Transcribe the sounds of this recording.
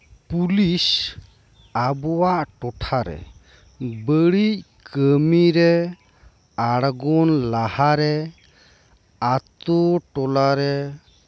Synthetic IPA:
pulis | abɔwaʔʈɔʈʰaɾɛ̰ | bəɽic̚ | kəmiɾɛ | aɽɡɔnlahaɾɛ | at̪oʈɔlaɾɛ

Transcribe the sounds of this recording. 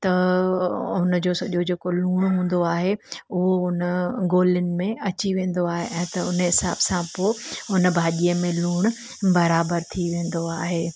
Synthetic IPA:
t̪ɐ | ʊnəd͡ʑoːsɐʄod͡ʑeːkoluːɽ̃ɦũːn̆d̪oaːɦeʊɦoʊnəɡoːlɪnɪ̆mẽɐt͡ɕiʋẽːn̆d̪oaːɦeʔɛ̃ːt̪ɐʊnɦɪsa̰ːbsãpoɪʊnəbʱaːɗijəmẽluːɽ̃ | bɐɾaːbəɾt̪ʰiʋẽːn̆d̪oaːɦeː

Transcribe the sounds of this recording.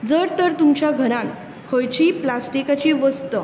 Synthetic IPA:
d͡zəɾt̪əɾt̪umt͡ɕjaɡʱəɾãn | kʰəjt͡ɕiːplasʈikat͡ɕiʋəst̪ə

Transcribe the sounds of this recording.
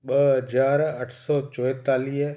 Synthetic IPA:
ɓəɦəd͡ʒaːɾəʈʰsɔːt͡ʃɔt̪aːliː

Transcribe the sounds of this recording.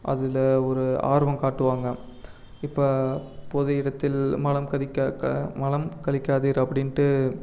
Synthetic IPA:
ʔɐ̰ðɪlɔɾɯa̰ːɾɯʋɐmkaːʈːɯʋaːŋɡɐ | ɪpːɐːpoðɐɪɽɐt̪ːɪlmɐlɐmkɐðɪkːɐmɐlɐmkɐɭɪkʲːaːðiːɾɐpːɐɽɪnʈɯ

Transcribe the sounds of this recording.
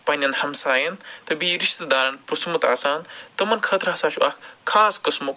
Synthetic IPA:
pɐnʲɐnhɐmsaːjɐnt̪ɐbiɾiʃt̪ɐd̪aːɾɐnpɾusmut̪aːsaːnt̪ɐmɐnkʰɐt̪ɾɦɐsaːt͡ʃʰuʔɐkʰkʰːaːskɐsmuk

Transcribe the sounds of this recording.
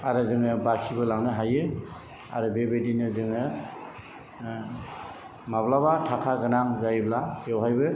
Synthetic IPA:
aɾɯzɯŋɯbakʰibɯlaŋnɯɦajɯ | a̰ɾɯbebedinɯzɯŋɯ | mablabatʰakʰaɡɯnaŋzajblaewɦajbɯ

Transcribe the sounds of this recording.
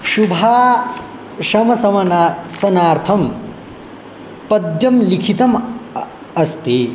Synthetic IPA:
ʃubʱaː | ʃɐmɐsɐmɐnasɐnaːɾt̪ʰɐm | pɐd̪jɐmlikʰit̪ɐm | ɐst̪e

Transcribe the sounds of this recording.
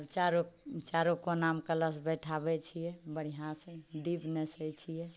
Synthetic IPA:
ɾt͡ʃaɾot͡ʃaɾokonamkələsbɛʈʰabɛt͡ʃʰijɛbəɽ̤iɦãsə̃d̪ibnɛsɛt͡ʃʰijɛ

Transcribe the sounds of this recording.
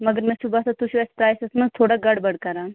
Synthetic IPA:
mɐɡəɾmɛ̃sʊbat̪ot̪ʊʃuɛspɾaːjsesnɐ̃t̪ʰoːɽaɡɐɽbɐɽkɐɾãː

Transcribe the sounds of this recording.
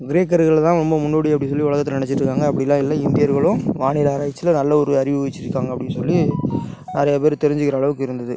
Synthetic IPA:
ɡɪɾeːk̬ːɐɾɣɐɭt̪ãːɾɔmbɐmʊnːoːɽiɐpːɐɽɪns̬ɔlːiʋʊɭɐɣɐt̪ːɯlnɪnɛt͡ʃːɪʈrɾɯkːaːŋɡɐɐpːɐɽɪlːãːɪlːɐɪnd̪ɪjɐɾɣɐɭʊ̃ʋaːɳɪɾaːɾaːjɐt͡ʃːɪlɐnɐlːɐɔɾɯɐɾɪʋɯʋɛt͡ʃːɪɾɯkːaːŋɡɐpːɐɽɪnsɔlːi | nɐɾɐjɐpeːɾɯt̪ɛɾɪɲd͡ʒɯkɪɾɐːɭɐʋɯkːɯɪɾɯnd̪ɐðɯ

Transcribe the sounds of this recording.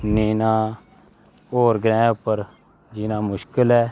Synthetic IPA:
niːnaː | oːɾɡɾɛ̃ːʊpːəɾ | d͡ʒɪnãːmʊʃkɪlɛː

